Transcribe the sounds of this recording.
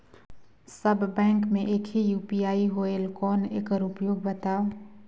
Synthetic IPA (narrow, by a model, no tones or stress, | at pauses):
səbʱːɛ̃ːŋkmẽʔeːkɦijuːpijaːiɦoːelkɔːnḛːkəɾʊpjoːɡ̚bət̪aːo